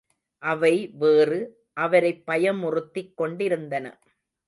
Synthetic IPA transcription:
ʔɐʋɐɪʋeːrɯ | ʔɐʋɐɾɐɪpːɐjɐmʊrɯt̪ːɪkːɔɳɖɪɾɯnd̪ɐnɐ̰

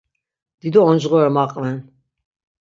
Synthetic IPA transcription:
d̪̥id̪ɔɔnd͡ʒʁɔɾɛmaqʼvɛn

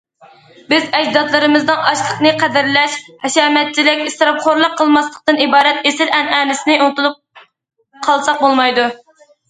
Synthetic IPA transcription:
bɪzɛd͡ʒd̪ɑt̪lˠɨɾɨmɨzd̪ɨŋɑʃlˠəqnɨqʰɛd̪ɪɾlɛʃhɛʃɛːmɛt̪̚t͡ʃʰilɪkʲist̪ɾɑp̚qʰoɾlˠəqʰːəlˠmɑslˠəq̚t̪ɨnibɑːɾɛt̪esɪɾɛnɛːnɪsɪnɪunɨt̪ulˠup̚ | qʰɑlˠsɑq̚bolˠmɑjd̪u

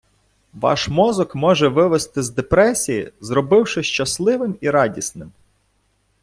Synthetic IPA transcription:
ʋɑ̰ʃmɔzɔkmɔʒɛʋɪʋɪst̪ɪzd̪epɾɛsʲijḭzɾɔbɪwʃɪʃt͡ʃɐslˠɪʋɪmiɾɑdʲisnɪm

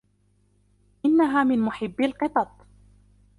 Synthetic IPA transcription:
ʔɪnːaɦaːmɪnmʊħɪbːɪlqɨt̪ˤɑt̪̚ˤ

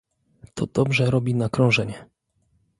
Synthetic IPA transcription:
t̪ʰɔd̪̥ɔbʐɛɾɔbʲinakɾɔ̃w̃ʐɛɲɛ

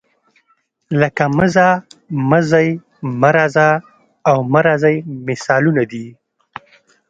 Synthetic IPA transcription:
ləkaməzaməzaj | maɾazaː | wmaɾazajmɪsɑlunad̪i

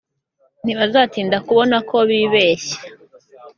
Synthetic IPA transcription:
n̥iβazaːtiːndakuβo̞nakʰo̞βiːβe̞ːɕḁ

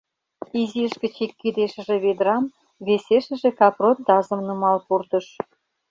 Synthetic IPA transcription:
iziəʃkə̆t͡ɕikʲːid̪eʃə̆ʒĕβed̪ɾɑm | βeseʃə̆ʒĕkɑprot̪̚d̪ɑzə̆mnumɑlpurt̪ə̆ʃ

